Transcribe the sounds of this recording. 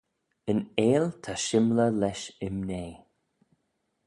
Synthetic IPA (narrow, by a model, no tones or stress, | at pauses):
əneːlt̪ʰaʃɪmləlɛʃɪmneː